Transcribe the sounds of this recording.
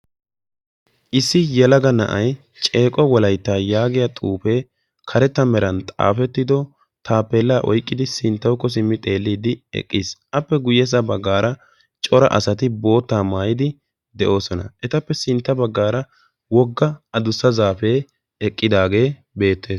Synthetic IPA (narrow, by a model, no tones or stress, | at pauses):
ʔɪsːɪjɛlɐɡɐnɐʔɐj | t͡ʃʼe̞ːkʼɔwɔlɐjt̪ːaːjaːɡɪjat̪ʼuːfe̞ː | kʰɐɾɛt̪ːɐmɛɾɐnt̪ʼa̰ːfɛt̪ːɪd̪ɔ | t̪ʰaːpːeːlːaːʔɔ̰jkʼːɪd̪ɪsɪnt̪ːɐwkːɔs̬ɪmːɪt̪ʼe̞ːlːiːd̪ɪɛ̰kʼːiːsʔɐpːɛɡʊjɛs̬ɐbɐɡːaːɾɐ | t͡ʃʼɔɾɐ̰ʔɐ̰sɐt̪ɪbo̞ːt̪ːaːmaːjɪd̪ɪ | d̪ɛʔo̞ːsɔnɐ̰ʔɛt̪ɐpːɛsɪnt̪ːɐbɐɡːaːɾɐ | wɔɡːɐɐd̪ʊsːɐzaːfe̞ː | ɛkʼːɪd̪aːɡe̞ː | be̞ːt̪ːe̞ːs